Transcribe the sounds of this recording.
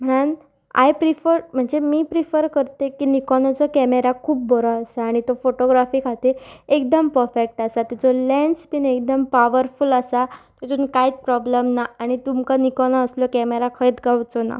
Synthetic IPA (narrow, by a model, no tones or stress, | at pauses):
m̤əɽ̃an | a̰jpɾifəɾm̤əɳd͡zemiːpɾifəɾkəɾt̪ekiːnikɔnɔt͡sɔkɛmeɾakʰuːpːɔɾɔasaːɽ̃it̪ofoʈoɡɾafiːkʰat̪iek̚d̪əmpəɾfek̚ʈasat̪it͡sɔlɛnspinek̚d̪əmpaʋəɾfuləsat̪ɔt̪unkajt͡spɾɔbləmnaːɽ̃it̪umkanikɔnɔəslɔkɛmeɾakʰəit̪ɡawt͡sɔna̰